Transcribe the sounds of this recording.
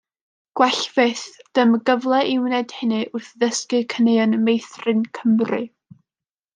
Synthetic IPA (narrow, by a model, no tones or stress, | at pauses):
ɡ̥wɛɬveθd̥əməɡəvlˠɛʔɪwnɛd̥hɪnɨʔʊrθðəskɨkʰənejɔnmejθrɨnkʰəmrɨ